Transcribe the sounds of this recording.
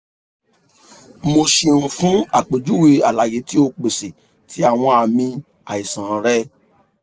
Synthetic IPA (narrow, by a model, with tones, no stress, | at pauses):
mo˧ʃe˧nũ˧fũ˦a˨k͡pe˨d͡ʒu˦we˧a˨la˨je˨˦ti˦o˧k͡pe˨se˨ | tʰi˨˦a˦˨w̃ɔ̃˧a˨mĩ˧ | a˨i˨sã˨˦ɾɛ˦